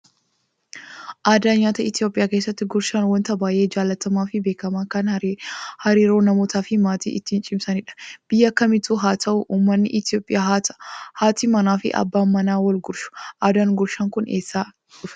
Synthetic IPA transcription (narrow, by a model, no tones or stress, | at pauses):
ʔaːd̪aːɲaːt̪ɐɪt̪ɪjo̞ːpʼɪjaːke̞ːsːɐt̪ːɪɡʊɾʃaːnwɐnt̪ɐbaːʔe̞ːd͡ʒaːlːɐt̪ɐmaːfɪbe̞ːkɐmaːkɐn | hɐɾiːɾo̞ːnɐmo̞ːt̪ʰaːfɪmaːt̪ḭːʔɪt̪ːiːnt͡ʃʼɪmsɐnɪᶑɐ̥b̥ɪjːɐɐkːɐmɪt̪uːɦaːt̪ʰɐʔʊʔuːmːɐnːɪʔɪt̪oːpʼːɪja | haːt̪iːmɐnaːfɪ̰ʔɐ̰bːaːmːɐnaːwɐlɡʊɾʃʊ̥ʔaːd̪aːnɡʊɾʃɐŋkʊnʔe̞ːsːaː | ʊfɛ̥